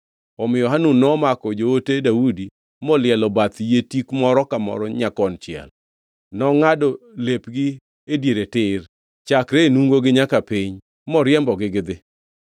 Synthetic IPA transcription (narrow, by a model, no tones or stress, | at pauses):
ɔmjɔɦanunɔmakɔd͡ʒootedaudi | mɔlɪɛlɔbat̪jetikmɔɾɔkamɔ̰ɾɔɲakɔnt͡ʃɪɛ̰l | nɔŋadɔlepɡɪ | edjeɾetɪr | t͡ʃakɾenuŋɡoɡɪɲakapɪɲ | mɔɾɪjɛmbɔɡɪɡɪd̪ɪ